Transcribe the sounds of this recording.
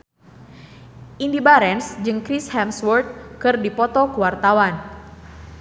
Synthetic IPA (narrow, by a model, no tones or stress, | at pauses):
ʔindibaɾɛnsd͡ʒɨŋkɾishɛmswɔrt̪̚kɨrdipɔt̪ɔkuwart̪awan